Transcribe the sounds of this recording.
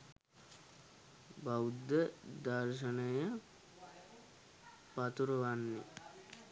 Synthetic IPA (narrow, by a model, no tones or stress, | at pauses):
bawud̪ːəd̪arʃ̬ənəjə | pat̪uɾəʋanːe